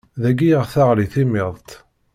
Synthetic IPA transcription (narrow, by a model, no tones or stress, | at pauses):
ðæɡijəʁθaʁliθimɪðˤt̪